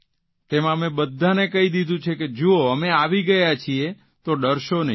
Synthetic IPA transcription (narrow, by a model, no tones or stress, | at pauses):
t̪emãəmebəd̪ʱːanekəɦid̪id̪ʱũt͡ʃʰeked͡ʒuoəmeaʋiɡəjat͡ʃʰie | t̪oɖəɾʃonəɦ